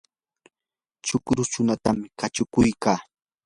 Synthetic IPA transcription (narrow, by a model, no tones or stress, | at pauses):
t͡ʃʊkɾʊʃʊnat̪amɪkat͡ʃʊkʊjkaː